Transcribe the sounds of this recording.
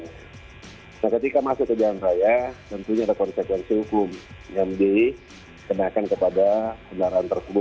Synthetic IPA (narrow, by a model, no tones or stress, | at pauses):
nakət̪ikamasʊʔkəd͡ʒalanrajat̪ənt̪uɲaːdakɔnsekwɛnsihukʊmjaŋdi | kənakankəpadakənaɾaant̪ərkulʊ